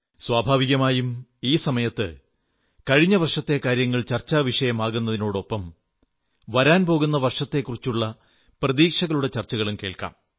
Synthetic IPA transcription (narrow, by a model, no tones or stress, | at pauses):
swaːbʱaːʋiɣɐmaːjumiːsɐmɐjɐt̪ːɨ̰ | kɐɻiɲːɐʋɐrʂɐt̪ːe̞kaːɾjɐŋːɐɭt͡ɕɐrt͡ɕːaːʋiʂɐjɐmaːɣunːɐðino̞ːɽo̞pːɐm | ʋɐɾaːnpo̞ːɣun̪ːɐʋɐrʂɐt̪ːe̞kːurit͡ɕːuɭːɐ | prɐðiːkʂɐɣɐɭuɽet͡ɕɐrt͡ɕːɐɣɐɭumke̞ːɭka̰ːm